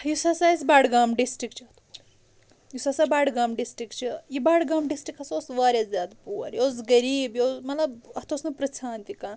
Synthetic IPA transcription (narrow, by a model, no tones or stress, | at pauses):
jusasaːisbaːɽɡaːmɖisʈɾikt͡ʃʰiɐt̪ʰo̥ | jusasabaːɽɡaːmɖisʈɾikt͡ʃʰijibaːɽɡaːmɖisʈɾikɐsosʋaːɾʲaszjaːd̪puːɐ̰ɾjos̬ɡɐɾiːbjosmɐt̪lɐbɐt̪ʰosnɨpɾɐsʰaːnt̪ikaːn